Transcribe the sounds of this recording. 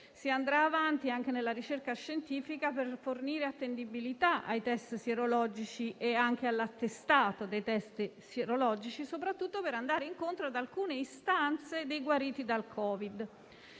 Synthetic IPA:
siand̪ɾaːvant̪iaŋk̟enelːaɾit͡ʃerkaʃːent̪iːfikaperforniːɾeat̪ːend̪ibilit̪aʔa̰jt̪ɛst̪sieɾolɔːd͡ʒit͡ʃiʔeaŋk̟ealːat̪ːest̪aːt̪od̪ejt̪ɛst̪seɾolɔːd͡ʒit͡ʃisopɾat̪ːut̪ːopeɾand̪aːɾeiŋkont̪ɾoad̪alkuːneist̪ant̪sed̪ejɡwaɾiːt̪id̪alkʰɔːvid̪

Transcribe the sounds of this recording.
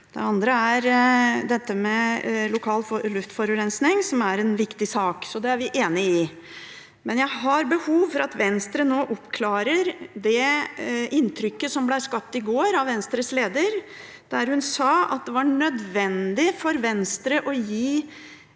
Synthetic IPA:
d̪̥ɛ̰ɑnd̪ɾəæɾd̪ɛt̪ːəmɛlʊkʰɑːlflʉft̪fɔɾʉɾɛnsnɪŋsɔmæɾɛnʋɪkt̪ɪsɑːksɔd̪ɛæɾʋɪʔeːnɪɪ | mɛnjæɪɦɑɾbəhuːʋfɔɾɑt̪ʋɛnst̪ɾənoːʔɔpːkʰlɑːɾəɾd̪ɛ | ɪnːt̪ʰɾʏkːəsɔmblæɪɾskɑp̚t̪ɪɡoːɾɑʋʋɛnst̪ɾəsleːd̪əɾ | d̪̥æɾhʉnsɑːɑ̰t̪̚d̪ɛʋɑɳœd̪ʋɛnd̪ɪfɔɾʋɛnst̪ɾəʔɔjiː

